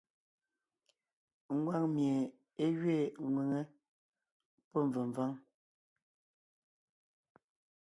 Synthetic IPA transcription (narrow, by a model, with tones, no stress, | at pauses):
ŋ̩˦ɡwa˦˨ŋmje˨ | e˦ɥɥe˦˨ŋwe˨ŋe˦ | pɔ˦ɱ˨və˨ɱ˨va˦ŋ